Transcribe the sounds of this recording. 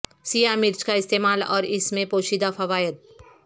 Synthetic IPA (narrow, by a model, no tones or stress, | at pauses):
sijamɪɾt͡ʃkaɪst̪eːmaːlɔ̰ːɾɪsmẽpoːʃid̪afʰɐʋaːjət̪̚